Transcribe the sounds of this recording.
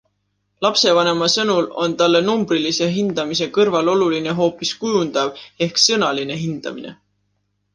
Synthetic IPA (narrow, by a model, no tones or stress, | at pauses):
lɑpse̞vɑne̞mɑsɤnulo̞nt̪ɑlːe̞numb̥ɾilise̞ɦind̪̥ɑmise̞kɤrvɑlo̞luline̞ɦo̞ːpiskujund̪̥ɑve̞hksɤnɑline̞ɦind̪̥ɑ̰mine̞̰